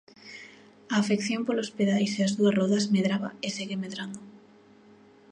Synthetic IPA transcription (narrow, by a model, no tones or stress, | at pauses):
aːfekθjompolospeðajseazðuɐrɔðɐzmeðɾaβa̰eseɣemeðɾand̪o